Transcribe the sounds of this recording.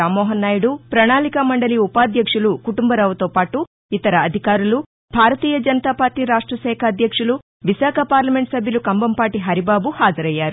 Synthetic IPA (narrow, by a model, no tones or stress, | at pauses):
aːmːɔːɦɐnːaːjuɽupɾɐɳaːlikɐmɐɳɖɐliupaːd̪jɐkʂulukuʈumbɐɾɐʋɐt̪oːpaːʈu | it̪ɐɾɐːd̪ʱikaːɾulu | bʱaːɾɐt̪iːjɐd͡ʒɐnɐt̪aːpaːɾʈːiːɾaːʂʈɾɐʃɛːkʰɐːd̪ʱjɐkʂulu | ʋiʃaːkʰɐpaːɾlɐme̞ɳʈsɐbʱjɐlukɐmbɐmpaːʈiɦɐɾibaːbuhaːd͡ʒɐɾɐjːaːɾu